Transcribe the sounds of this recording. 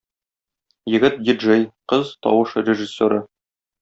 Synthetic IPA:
jɘ̆ɡɘt̪̚dʲiʒejqɤzt̪ɒ̰wɤʃrʲeʒɪsʲːoɾɤ

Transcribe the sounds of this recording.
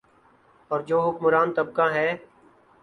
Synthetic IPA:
ɔːɾd͡ʒoːɦʊkmʊɾaːnt̪əb̚kãːɦɛː

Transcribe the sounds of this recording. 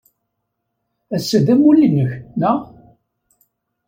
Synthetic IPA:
æsːəðæmulːinəçnæ

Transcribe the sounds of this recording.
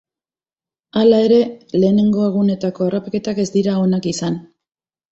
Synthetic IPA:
alae̞ɾe̞le̞ːne̞ŋɡo̞e̞ɣ̞une̞t̪ako̞erapake̞t̪ake̞zd̪iɾao̞nakisan

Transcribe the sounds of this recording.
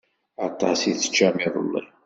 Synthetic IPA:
ɑt̪ˤːɑsiθə̥t͡ʃːæmiðˤə̰lːḭ

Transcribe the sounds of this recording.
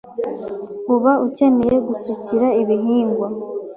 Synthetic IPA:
uβaʔuce̞me̞je̞ɡusuciɾaiβiɦiːŋɡwa

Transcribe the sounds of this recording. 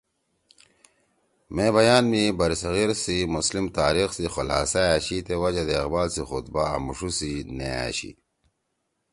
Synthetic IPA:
mẽbɐjaːnmibɐɾisɐɣiɾsimuslimt̪aːɾixsixolha̰ːsaaɕit̪ewɐd͡ʑɐd̪eːqbaːlsixut̪̚ba̰ːmuʂusinḛa̰ɕḭ

